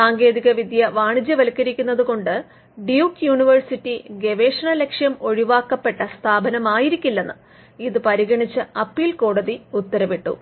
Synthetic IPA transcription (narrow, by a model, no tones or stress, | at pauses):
saːŋɡe̞ːðiɣɐʋid̪ʱjɐʋaːɳid͡ʑjɐʋɐlkːɐɾikʲːunːɐðuko̞ɳɖɨ | ɖijukjuːɳiʋɐrsitːiɡe̞ʋe̞ːʂɐɳɐlekʂjɐmo̞ɻiʋaːkːɐpːe̞ʈːɐst̪ʰaːbɐnɐmaːjiɾikʲːilːenːɨ | iðɨpɐɾiɣɐɳit͡ɕːɨɐpːiːlko̞ːɽɐðiut̪ːɐɾɐʋiʈːṵ